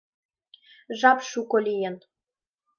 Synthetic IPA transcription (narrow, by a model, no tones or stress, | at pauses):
ʒɑpʃukolʲijən